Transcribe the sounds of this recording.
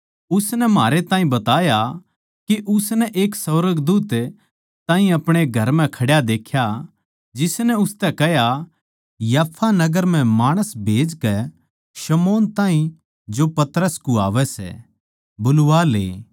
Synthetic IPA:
ʊsnɛmaːɾet̪ãːĩbɐt̪aːja | kiʔʊsnɛʔeːksɐʋɾəɡd̪uːt̪ | t̪ãːɦĩɐpɽ̃eɡʱɐɾmɛ̃kʰɐɽjad̪eːkʰja | d͡ʒɪsnɛʊst̪ɛkɛɦja | jaːpʰːanɐɡəɾm̤ɛ̃maːɽ̃əsbʱeːd͡ʒkɛ | ʃɐmoːnt̪ãːɦĩ | d͡ʒopɐt̪ɾəskua̰ːʋɛsɛ̰ | bʊlʋalḛː

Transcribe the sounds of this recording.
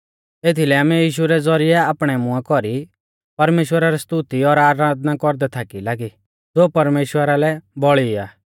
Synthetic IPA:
eːt̪ʰilɛaːmɛjiːʃuɾɛd͡zɔɾɪɛaːpɽ̃ɛmʊ̃akɔɾi | pɐɾmeːʃwəɾaɾɛst̪ut̪iɔɾaːɾaːd̪nakɔɾd̪ɛt̪ʰakilaːɡi | d͡zoːpɐɾmeːʃwəɾalɛbɔɭiaː

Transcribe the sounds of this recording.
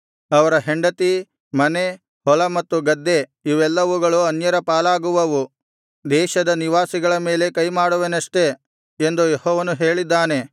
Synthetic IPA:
ɐʋɐɾɐɦe̞ɳɖɐt̪i | mɐne̞ | hɔlɐmɐt̪ːuɡɐd̪ːe̞iʋɛlːɐʋuɡɐɭuɐnjɐɾɐpaːlaːɡuʋɐʋu | d̪ɛːʃɐd̪ɐniʋaːsiɡɐɭɐmeːle̞kɐjmaːɽuʋenɐʂʈe̞ | end̪ujehɔːʋɐnuɦe̞ːɭid̪ːaːne̞

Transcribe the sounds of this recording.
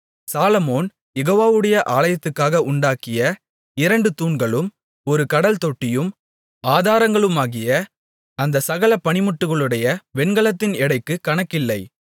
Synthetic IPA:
saːlɐmoːn | jɛɣoːʋaːʋɯɽɐjɐʔaːlɐjɐt̪ːɯkːaːɣɐʔʊɳɖaːkɪjɐ | ɪɾɐɳɖɯt̪uːɳɡɐɭɯm | ɔɾɯkɐɽɐlt̪ɔʈːɪjɯm | aːðaːɾɐŋɡɐɭɯmaːɣɪjɐ | ɐnd̪ɐsɐɣɐlɐpɐɳɪmʊʈːɯɣɐɭɯɽɐjɐʋɛnɡɐɭɐt̪ːɪnɛɽɐɪkːɯkɐɳɐkːɪlːɐɪ

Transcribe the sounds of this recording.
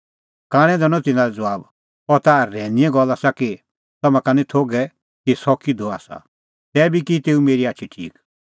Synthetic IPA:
kaːɽ̃ɛ̃d̪ɛñɔ̃t̪ɪ̃nãɾɛd͡zɐʋaːb | ɔɾt̪aːɾːɛ̃ːnijɛ̃ɡɔlːasaki | t̪ɐmãkanɛ̃t̪ʰoːɡɛ | kisɔkid̪ɔaːsa̰ | t̪ɛːbʱikit̪eːumeːɾiaːtːt͡ʃʰiʈʰḭːk

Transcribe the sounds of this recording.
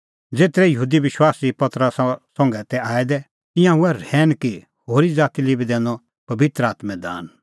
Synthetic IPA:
d͡zeːt̪ɾɛjəɦuːd̪iʋɪʃwaːsipɐt̪ɾassɔ̃ŋɡɛt̪ɛaːɛd̪ɛ | ɪ̃jãuɛɾɛːnki | hoːɾid͡zaːt̪ilibid̪ɛ̃ːnd̪ɔ | pɐbɪt̪ɾəaːt̪mɛ̃d̪a̰ːn

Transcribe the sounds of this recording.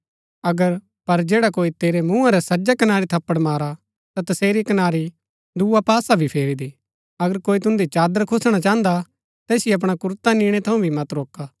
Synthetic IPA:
ɐɡəɾ | pɐɾd͡ʒeːɽakoːit̪eːɾemũːãɾɛsɐd͡ʒakɐnaːɾit̪ʰɐpːəɽmaːɾa | t̪at̪ɐseːɾikɐnaːɾi | d̪uːapaːsabʱipʰeːɾid̪i | ɐɡəɾkoːit̪ʊ̃nd̪it͡ʃaːd̪əɾkʰʊsɽ̃at͡ʃãːə̃nd̪a | t̪ɛːsɪjeɐp̬ɽ̃akʊɾt̪anĩːɽ̃et̪ʰɐũbʱimɐt̪ɾoːkaː

